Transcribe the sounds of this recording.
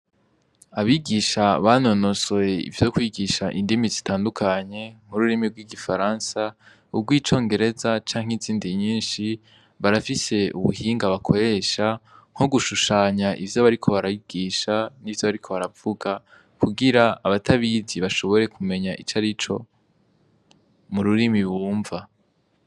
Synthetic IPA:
aβiɡiːʃaβano̞no̞sojeḭvjo̞kwiːɡiʃaʔindimizitʰaːndukʰaɲe̞m̥uɾuɾimiɡwiɡifaɾaːnsa | ubɡwiːt͡ʃo̞ːŋɡe̞ɾe̞zat͡ʃaːŋ̥iziːndiɲiːnʃi | βaɾafise̞ṵβṵhiːŋɡaβakʰo̞ɾe̞ʃaŋ̥oɡuʃuʃaːɲaʔivjoβaɾikʰo̞βaɾaiɡ̥iːʃanivjo̞βaɾikʰo̞βaɾavuɡa | kuɡiɾaːβatʰaβiziβaʃo̞βo̞ɾe̞kʰume̞ɲaʔḭt͡ʃaɾit͡ʃo̞ | muɾuɾimiβuːɱva

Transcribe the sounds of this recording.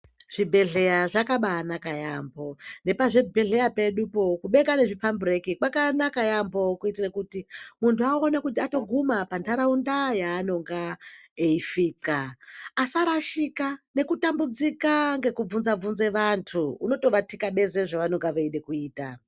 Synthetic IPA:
ʐ̥ibʱe̞ɮe̞jaʐakaɓaːnakajambo̞ne̞paʐebʱe̞ɮe̞jape̞ɗupo̞kuɓe̞ɡane̞ʐipamburekikakanakajambo̞kuitirekutimuntʰuaonakutiato̞ɡʱumapandʰaɾaundajaːno̞ŋɡaeifiːt͡skaːsaɾaʃikane̞kutambud͡zikaŋɡe̞kub͡vunzab͡vunze̞ʋantʰuuno̞to̞ʋatikaɓe̞zeʐaʋanoŋɡaʋeiɗe̞kuiːta

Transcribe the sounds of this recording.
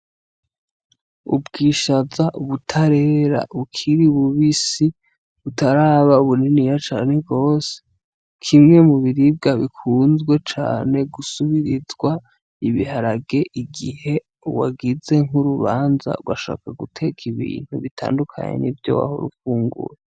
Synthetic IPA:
ubɡiːʃazaʔuβutʰaɾe̞ɾa̰ukʰiɾiuβuβisi | βutaɾaːβauβuninijat͡ʃaːne̞b̚ɡo̞ːse̥ | kʰimŋe̞muβiɾib̚ɡaβikʰuːnzɡwe̞t͡ʃa̰ːne̞ɡusuβiɾizɡwa | iβihaɾaɡe̞ʔiɡihe̞ | uwaɡize̞ŋuɾuβaːnza̰ɡwaʃa̰ːkaɡutʰe̞kʰiβḭːn̥huβitʰa̰ːndukʰa̰ɲḛnḭvjo̞̰wa̰ho̰ɾufuːŋɡṵɾe

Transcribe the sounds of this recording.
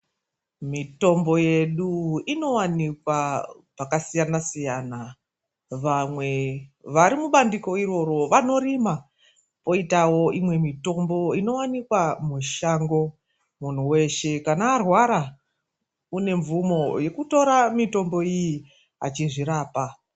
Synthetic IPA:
mito̞mbo̞je̞ɗuino̞wanikwapakasijanasijana | ʋamwe̞ʋaɾimuɓandiko̞iro̞ɾo̞ʋano̞rima | po̞itawo̞imwe̞mito̞mbo̞ino̞wanikwamuʃaŋɡo̞ | mun̤uwe̞ʃe̞kanaːrwaɾa | une̞ɱvumo̞je̞kuto̞ɾamito̞mbo̞iji | a̰t͡ʃiʐiɾaːpa

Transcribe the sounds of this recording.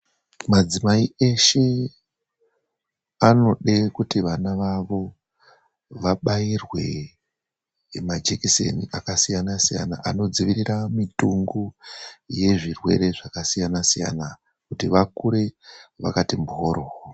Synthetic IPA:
mad͡zimaie̞ʃe̞ | ano̞ɗekutiʋanaʋaʋo̞ | ʋaɓairwe̞ | mad͡ʒekisḛniakasijanasija̰na̰ʔano̞d͡ziʋiriramituŋɡuje̞ʐirwe̞̰ɾe̞ʐakasijanasija̰na | kutiʋakuɾe̞ʋa̰katimbuɦoɾo

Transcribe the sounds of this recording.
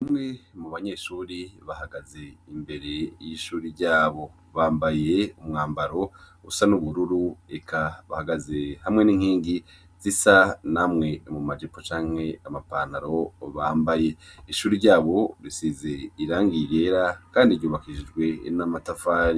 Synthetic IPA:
imŋe̞muβaɲe̞ʃuːɾiβahaɡaze̞imbe̞ɾe̞jiʃuːɾiɾɟaːβo̞ | βaːmbaje̞umŋaːmbaɾo̞ | usanuβuɾuɾuekʰaβa̰haɡaze̞hamŋe̞niːŋhiːŋɡi | zisanamŋe̞imumad͡ʒipot͡ʃaːŋ̥he̞amapaːnaɾo̞βaːmbaje̞iʃuːɾiɾɟaːβo̞ɾisize̞iɾaːŋɡije̞ɾakaːndiɾɟuːβakiʒid͡ʒɡwe̞namatafaːɾi

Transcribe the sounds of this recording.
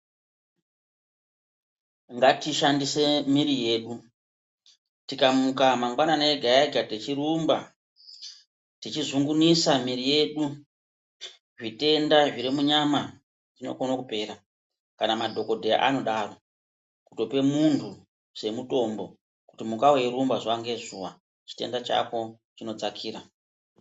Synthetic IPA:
ŋɡatiʃandise̞miɾije̞ːɗu | tikamukamaŋɡwananaeɡʱajaɡatet͡ʃiɾumba | tit͡ʃizuŋɡunisamiɾije̞ɗu | ʐite̞ndaʐiɾimuɲama | ʐino̞̰konakupe̞ɾa | kanamadʱo̞ko̞dʱeja̰ʔa̰no̞ɗaro̞ | kuto̞pe̞muntʰu | se̞muto̞mbo̞ | kutimukaweɾumbaʐwaŋɡe̞ʐuwa | t͡ʃi̥te̞̰ndat͡ʃa̰ko̞ | t͡ʃino̞t͡sakʰiːɾa

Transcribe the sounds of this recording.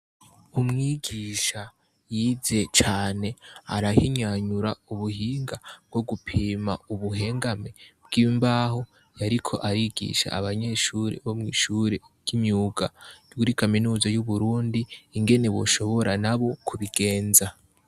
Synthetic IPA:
umŋiːɡiʃa | jiːze̞t͡ʃaːne̞aɾahiɲaɲuɾauβuhiːŋɡab̚ɡo̞ɡupʰiːmauβuɦe̞ːŋɡame̞bɡ̥iːmbaːɦo̞ | jaɾikʰo̞ʔaɾiɡḭʃa̰ːβaɲe̞ʃuɾḛβo̞mŋiːʃuɾe̞ | j̥imɲuːɡ̥aɡuɾikaminuːzajuβuɾuːndiːŋɡe̞ne̞βo̰ʃo̞βo̞ɾanaβo̞kʰuβiɡe̞ːnza

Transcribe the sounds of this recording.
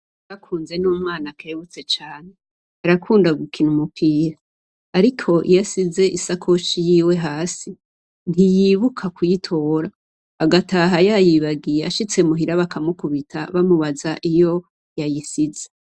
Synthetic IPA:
βakʰuːnze̞nuːmŋaːnakʰeβut͡se̞t͡ʃaːne̞ | aɾakʰuːndaɡukʰinumupʰiːɾaː | ɾikʰo̞ʔijasize̞ʔisakʰo̞ʃijiːwe̞ɦaːsi | nijiβukʰakujitʰo̞ːɾaː | ɡataɦajajiβaɡijeaʃit͡se̞muɦiɾaβakʰamukuβitʰa̰βamuβazaʔijo̞ | jajisize

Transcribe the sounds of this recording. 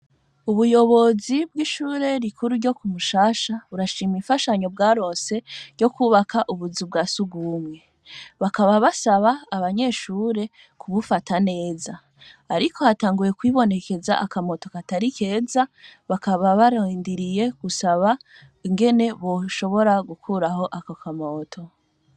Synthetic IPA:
uβujo̞βo̞zibɡiːʃuːɾe̞ɾikʰuɾuɾɟo̞kumuʃaːʃaβuɾaʃiːmiɱfaʃaɲo̞b̚ɡaːɾo̞ːse̞ɾɟo̞kuːβakʰaʔuβuzubɡaːsuɡumŋe̞ | βakaβaβasaβaːβaɲe̞ːʃuːɾe̞ | kʰuβufatane̞ːzaː | ɾikʰo̞hataːŋɡuje̞kwiːβo̞ne̞ke̞za̰ʔakamo̞to̞kataɾike̞ːzaβakaβaβaɾandiɾije̞ɡ̥usaβa | iŋɡe̞ne̞βo̞ʃo̞βo̞ɾaɡukʰuːɾaho̞ʔakakʰamo̞ːtʰo̞

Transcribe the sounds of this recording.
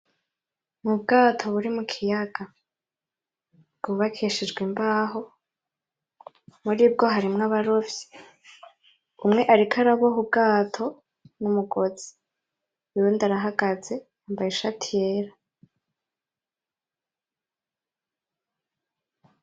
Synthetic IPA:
mub̚ɡaːtʰo̞βuɾimukʰijaɡa | b̚ɡ̥uβakʰiʃid͡ʒɡwimbaːɦo | muɾiːb̚ɡo̞ɦaɾimŋaβaɾovji̥ | umŋe̞ʔaɾikʰaɾaβoɦub̚ɡaːtʰo̞ | numuɡo̞z̥i̥ | iɾundaɾaɦaɡaze̞jaːmbajeʃatʰijeːɾa

